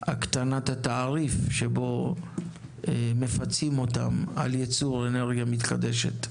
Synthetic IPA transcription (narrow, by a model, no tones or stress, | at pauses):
ha̰kt̪anatat̪aːʁifʃebo̞ | eme̞fat͡simo̞t̪a̰ma̰ljet͡suʁene̞ʁɡjamit̪ka̰d̪e̞ʃe̞̰t̪